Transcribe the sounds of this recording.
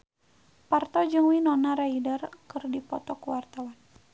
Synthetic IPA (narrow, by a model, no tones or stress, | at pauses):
part̪ɔd͡ʒɨŋwinɔnaɾaidərkɨrdipɔt̪ɔkuwart̪awan